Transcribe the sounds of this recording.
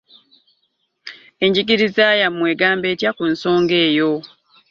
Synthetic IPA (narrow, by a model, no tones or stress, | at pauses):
e̞ɲɟiɡiɾizaːjamwe̞ːɡaːmbe̞ːcjakunso̞ːŋɡe̞ːjo̞